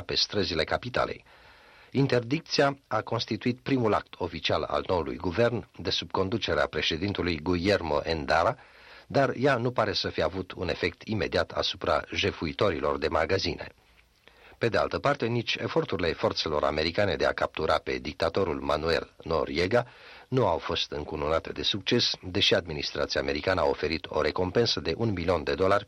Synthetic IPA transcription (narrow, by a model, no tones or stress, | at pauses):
pe̞st̪ɾəzile̞kapit̪a̰le̞̰j | int̪e̞rd̪ik̚t̪siaako̞nst̪it̪uit̪̚pɾimulak̚t̪ʰo̞fit͡ʃiala̰lno̞ulṵjɡuve̞rnd̪e̞sub̥̚ko̞nd̪ut͡ʃe̞ɾea̰pɾe̞ʃe̞d̪int̪ulujɡuje̞rmo̞̰ʔend̪aɾa | d̪arjanupaɾe̞səfijeavut̪ʰune̞fe̞k̚t̪ʰime̞d̪iat̪ʰa̰supɾa̰ʒe̞fuit̪o̞ɾilo̞rd̪e̞maɡazine̞̰ | pe̞d̪ea̰lt̪əpart̪e̞nit͡ʃʲe̞̰fo̞rt̪uɾile̞fo̞rt̪se̞lo̞ɾa̰me̞ɾikane̞d̪e̞a̰kap̚t̪uɾape̞̰d̪ik̚t̪at̪o̞ɾulmanue̞̰lno̞̰rje̞ɡa | nuawfo̞st̪ɨŋkununat̪e̞d̪e̞suk̚t͡ʃe̞sd̪e̞ʃiad̪minist̪ɾat̪siaːme̞ɾikanəao̞fe̞ɾit̪ʰo̞̰ɾe̞ko̞mpe̞nsəd̪e̞ʔunmilio̞nd̪e̞d̪o̞larʲ